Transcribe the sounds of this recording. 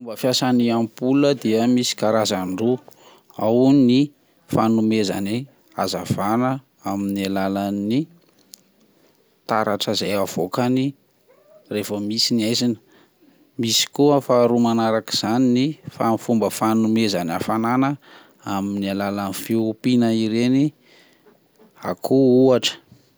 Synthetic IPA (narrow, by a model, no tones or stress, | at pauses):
umbəfjasaniampuləd̪iəmisi̥kaɾazaɳɖ͡ʐu | awni | fanumeza̰ni | a̰zav̥anə | aminialalani | t̪aɾaʈ͡ʂəzajav̥okani | refəmisiniajzinə | misi̥kuafaɾumanaɾaki̥z̥aninifanifumbəfanumezanafananə | aminialalanifiupinəiɾeni | a̰kʰuuaʈ͡ʂə̥